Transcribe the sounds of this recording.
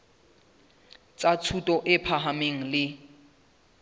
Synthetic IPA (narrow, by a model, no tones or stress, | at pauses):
t͡sʼat͡sʰutʼɔʔɪpʰaɦameŋ̩lɪ